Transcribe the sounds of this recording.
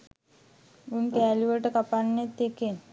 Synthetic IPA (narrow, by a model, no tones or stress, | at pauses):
unkɛːliʋəʈəkapanːet̪ːeken